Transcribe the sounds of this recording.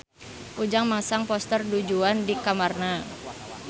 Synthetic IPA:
ʔud͡ʒaŋmasaŋpɔst̪ərdud͡ʒuandikamarna

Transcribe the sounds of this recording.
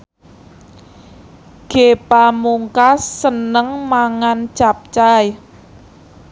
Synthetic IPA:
ɡ̥epamuŋkasːənəŋmaŋant͡ʃap̚t͡ʃaj

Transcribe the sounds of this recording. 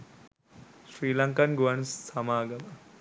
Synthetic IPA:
sɾiːlɐŋkanɡuʋɐnsːɐmaːɡɐmɐ

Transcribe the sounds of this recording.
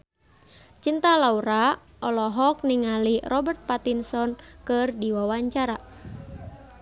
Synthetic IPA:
t͡ʃint̪alauɾa | ʔɔlɔɦɔk̚niŋalirɔbərt̪̚pat̪insɔnkərdiwawaɲt͡ʃaɾa

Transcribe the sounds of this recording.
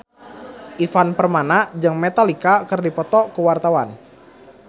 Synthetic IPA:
ʔifanpərmanad͡ʒɨŋmet̪alikakərdipɔt̪ɔkuwart̪awan

